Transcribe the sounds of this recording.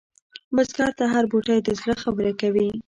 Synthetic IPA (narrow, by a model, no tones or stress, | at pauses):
məskɑɾt̪aɦaɾboʈajd̪əzləxabəɾakawi